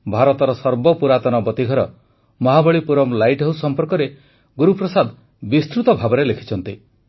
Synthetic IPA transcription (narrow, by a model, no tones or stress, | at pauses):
bʱaɾɔt̪ɔɾɔsɔɾbɔpuɾat̪ɔnɔbɔt̪iɡʱɔɾɔ | mɔɦabɔɭipuɾɔmlajʈɦewsɔmpɔɾkɔɾe | ɡuɾupɾɔsad̪ | bist̪ɾut̪ɔbʱabɔɾelekʰi̥t͡ʃʰɔnt̪i